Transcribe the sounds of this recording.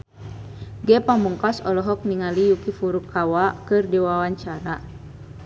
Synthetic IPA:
ɡɛpamuŋkasɔlɔɦɔk̚niŋalijukifuɾukʰawakɨrdiwawaɲt͡ʃaɾa

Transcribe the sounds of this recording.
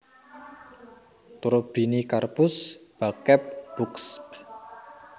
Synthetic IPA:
t̪uɾob̥i̤nikarpʊsb̥akɛp̚b̥ʊksp

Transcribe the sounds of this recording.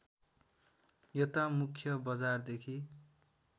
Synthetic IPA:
jʌt̪amukʰjʌbʌd͡zard̪ekʰi

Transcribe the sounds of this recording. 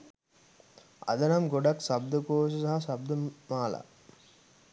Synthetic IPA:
ɐ̰d̪ɐnɐmɡoɖɐksɐb̚d̪ɐkoːʃ̬ɐsɐɦɐsɐb̚d̪ɐmaːla̰

